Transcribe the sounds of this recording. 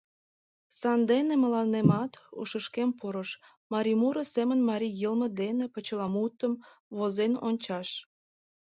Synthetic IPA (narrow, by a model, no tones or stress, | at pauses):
sɑnd̪enemə̆lɑnːemɑt̪ṵʃəʃkempoɾəʃ | mɑɾʲimuɾəsemənmɑɾʲijəlmə̆d̪enepət͡ɕəlɑmut̪ːəm | βozeno̰nʲt͡ɕɑʃ